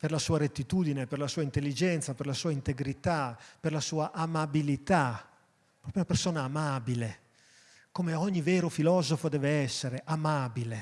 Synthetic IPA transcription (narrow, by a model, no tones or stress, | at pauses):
perlasuːaɾet̪ːit̪uːd̪ineperlasuːaint̪elːid͡ʒɛnt̪saperlasuːaint̪eɡɾit̪aperlasuːaʔamabilit̪a | pɾɔːpjounapersoːnaːmabile | komeɔɲːivɛːɾofilɔːzofod̪ɛːveɛsːeɾeʔamaːbile